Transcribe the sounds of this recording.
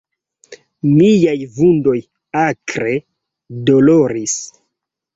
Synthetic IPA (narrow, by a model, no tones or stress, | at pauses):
mijajvundo̞j | akɾe̞ | doloɾis